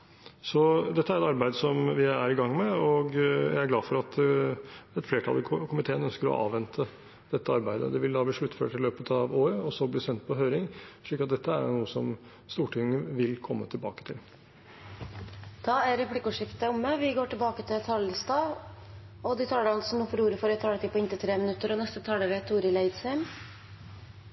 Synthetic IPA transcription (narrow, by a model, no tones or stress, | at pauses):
sɔd̪ɛt̪ːəæɾɛt̪ɑɾbæɪd̪sɔmʋɪæɾɪɡɑŋːmɛɔɡjæ̰ɪæɡlɑːfɔɾɑt̪ | ɛt̪fleːʈʰɑ̰lɪkʰʊmɪt̪ʰeːənœnskəɾɔ̰ʔɑ̰ːʋɛnt̪ʰə | d̪̥ɛt̪ːəɑɾbæɪd̪ə̰d̪ɛʋɪld̪ɑːbliːʂɭʉt̪ːfø̰ːʈːɪlːøːpət̪ʰɑʋoːɾəɔsɔblɪːsɛnt̪̚pʰɔɦøːɾɪŋʂɭiːkːɑt̪̚d̪ɛt̪ːəæɾnuːəsɔm | st̪uːʈʰɪŋːəʋɪlkʰɔmːət̪ʰɪlbɑ̰ːkə̥t̪ʰɪ̰l | d̪̥ɑːæɾɛpʰlɪkːəʊʂɪft̪əɔmːəʋɪɡoːʈɪlbɑːkət̪ʰɪlt̪ʰɑləst̪ɑːʋ | ɔd̪ɪt̪ʰɑːɖəɑnsɔmufɔluːɾəfɔɾɛt̪ʰɑːlət̪iːpɔɪnt̪ɪt̪ʰɾeːmənʉt̪ːəɾɔnɛst̪ət̪ʰɑːɖəʋeːt̪ʰːuːɾɪlæɪd̪sæɪm